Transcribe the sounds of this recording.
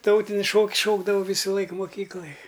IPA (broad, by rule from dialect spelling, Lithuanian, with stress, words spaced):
ˈtɐʊtʲɪnʲɪs ˈʃoːks ˈʃoːɡdɐʋɐʊ ˈʋʲiːsʊlˠɐɪk moːˈkʲiːklˠɐj